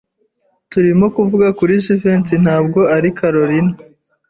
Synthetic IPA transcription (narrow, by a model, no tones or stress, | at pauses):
tuɾimo̞kuvuɡakuɾiʒiveːnsin̥haːb̚ɡo̞aɾikʰaɾoɾina